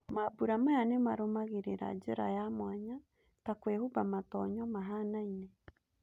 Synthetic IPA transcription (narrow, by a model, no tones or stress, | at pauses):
mabuɾamajanemaɾomaɣeɾeɾa̰d͡ʒeɾa̰jamwaɲa | takwehubamatɔɲɔmaɦanaine